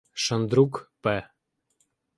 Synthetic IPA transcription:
ʃə̆nd̪ɾukpə

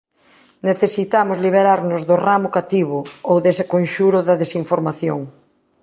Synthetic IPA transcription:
neθesit̪amʊzliβ̞eɾaɾnʊzðʊramʊkat̪iβʊowðesɪkonʃuɾʊðɐðesiɱfoɾmaθjoŋ

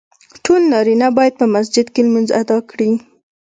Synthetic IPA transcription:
ʈolnɑɾinabɑjad̪̚pəmas̬d͡ʒɪd̪keləmanza̰d̪ɑkɽi

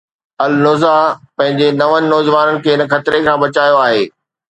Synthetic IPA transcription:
ɐlnʊːzapɐ̃ɦɪ̃ɲd͡ʑenɐʋənɪ̆nɔːd͡ʑʋaːnənɪ̆kʰeːɪnə̆xɐt̪ɪɾekʰãːbɐt͡ɕaːjoaːɦeː

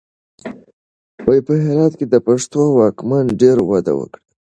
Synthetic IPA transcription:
wajpəɦɪɾɑt̪ked̪əpaʂt̪owɑkmanɖeɾwad̪a̰wə̰kɽi

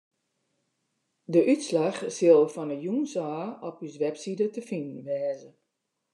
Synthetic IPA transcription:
dəʔytslaxsɪlˠfɔnəjunsaːɔpysʋɛpsidətəfinn̩ʋɛːzə

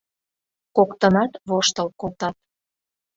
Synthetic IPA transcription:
kokt̪ənɑt̪βoʃt̪əlkolt̪ɑt̪̚

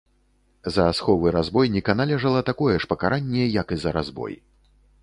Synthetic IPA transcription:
zɐːsxɔvɨɾazbɔjnʲɛkɐnalʲɛʐɐlˠɐt̪akɔjɛʂpɐkaɾʔanʲːɛjɐkizɐɾazbɔ̰j

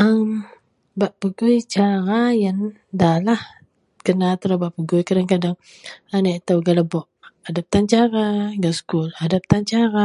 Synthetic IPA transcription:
ʔəm | baʔpəɡujt͡ʃaɾajan | dalah | kənat̪əlabaʔpəɡujkadaŋkadaŋ | anaʔt̪awɡalabɔʔadap̚t̪ant͡ʃaɾaɡaskuladap̚t̪ant͡ʃaɾa

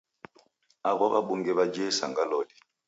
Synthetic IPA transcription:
aɣwaba̰ɓʊŋɡɛβad͡ʒesa̰ŋɡalɔːdi

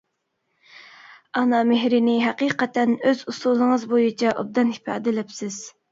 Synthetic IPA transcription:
ɑnɑmehɾɪnɪɦæqiqɛt̪ɛnøzusulˠəŋəzbojit͡ʃʰɛʔo̰b̚d̪ɑnhipʰɑ̰ːd̪ɪlɛpsɪz̥

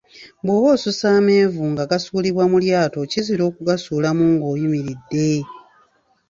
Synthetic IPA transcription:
bwoβoːsusaːme̞ːvuŋɡaɡasuːliβwamuljaːto̞ciziɾo̞ːkuɡasuːlamuːŋɡo̞ːjumiɾidːe̞

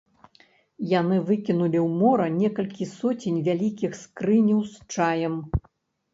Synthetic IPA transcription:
janɨvɨkʲinulʲiwmɔɾɐnʲɛkɐlʲkʲisɔt͡sʲenʲvʲalʲikʲixskɾɨnʲɐwst͡ʂajɛm

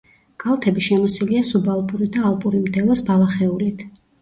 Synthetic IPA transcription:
ɡ̥alˠt̪ʰɛbiʃɛmɔsiliasubalˠpʼuɾid̪aːlˠpʼuɾimd̪ɛlɔsbalˠaχɛulit̪ʰ

